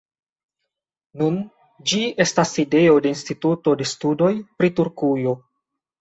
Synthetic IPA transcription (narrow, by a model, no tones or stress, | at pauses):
nun | d͡ʒie̞stasːide̞o̞de̞instituto̞de̞studo̞jpɾituɾkujo̞